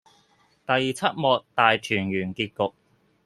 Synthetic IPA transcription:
t̪ɐ˨jt͡sʰɐ˥t̚mɔː˨˧k̚t̪aː˨jt͡ʃʰyː˨˩njyː˨˩nkiː˧t̚kʊ˨k̚

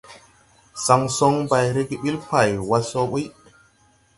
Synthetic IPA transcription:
sa˨ŋsɔ˦ŋba˨jɾi˦ɡi˦ɓi˦lpa˨jwa˦so˦ɓi˦

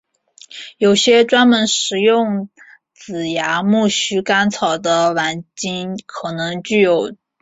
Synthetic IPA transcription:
jo˨˩ʊɕjɛ˥ʈ͡ʂwa˥nmə˧˥nʂɻ̩˨˩jʊ˥˩ŋ | t͡sɹ̩˨˩ja˧˥mu˥˩ɕy˥ka˥nt͡sʰɑ˨˩ʊd̪ə˦la˧˥nt͡ɕi˥nkʰɤ˨˩nɤ˧˥ŋt͡ɕy˥˩jo˨˩ʊ

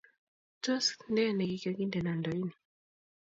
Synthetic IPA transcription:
tɔ˦skndɛ˦nɛ˨ki˨ka˨ki˦ndɛ˨na˨ndɔi˦ni

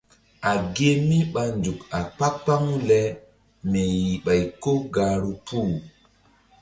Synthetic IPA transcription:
a˨ɡe˦mi˦ɓa˨nd͡ʒu˨ka˨k͡pa˦k̚pa˦ŋu˦lɛ˨ | mɛ˨ji˨ɓa˨jko˦ɡaː˨ɾu˦puː˦˨

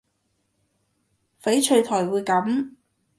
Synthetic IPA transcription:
fe˨˥jt͡ʃʰɵ˧ɥt̪ʰɔː˨˩jwuː˨˧jkɐ˨˥m

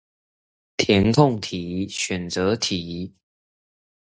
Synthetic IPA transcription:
t̪ʰjɛ˨˦nkʰʊ˥˨ŋt̪ʰi˨˩˦ɕɥɛ˨˩nt͡sə˨˦t̪ʰi˨˦

